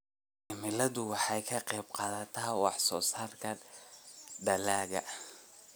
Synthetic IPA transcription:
ɪmɪlɐðʊwɑħɑjkʰɐqɛjbqɑːðɐt̪ʰaːwɑ̰ħsɔːsaːrkʰɐ | d̪ɐlaːɣɐ̰ʔ

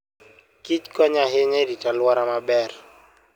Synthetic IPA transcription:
kit͡ʃkɔɲaɦɪɲɛɾitalwɔɾamabɛr

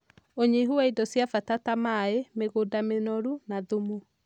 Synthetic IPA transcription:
oɲeɦuaidɔsjafatatamaemeɣodamenɔɾunaðumu

